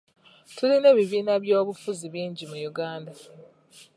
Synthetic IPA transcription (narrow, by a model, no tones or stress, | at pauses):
tuline̞ːβiβiːnaβjo̞ːβufuziβiːɲɟimujuɡaːnda